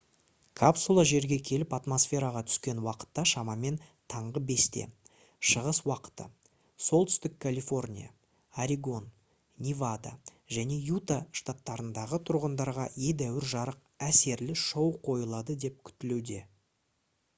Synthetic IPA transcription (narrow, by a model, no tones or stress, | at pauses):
kʰapsulˠɑʒe̞ɾɡʲe̞kʲʰe̞lɪpat̪mo̞sfʲe̞ɾaʁɑt̪ʰʏ̥skʲe̞nwɑqə̥t̪ːɑʃɑmɑme̞nt̪ʰɑɴʁəbe̞st̪e̞̰ | ʃəʁəswɑqə̥t̪ə̰ | so̞lˠt̪ʰʏst̪ɪkkʰːalʲifo̞rnʲija̰ | aɾʲiɡo̞n | nʲivad̪a̰ | ʒæne̞jut̪aʃt̪at̪ːɑɾənd̪ɑʁət̪ʰʊɾʁənd̪ɑɾʁɑed̪æwɪɾʒɑɾəq̚ | æse̞ɾlɪʃowqʰo̞jəlˠɑd̪əd̪e̞p̚kʲʰʏ̥t̪ɪlewd̪e̞